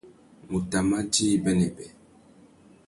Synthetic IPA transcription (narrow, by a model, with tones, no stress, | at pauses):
mu˨ta˨ma˦d͡ʒi˦bɛ˦nɛ˨bɛ˨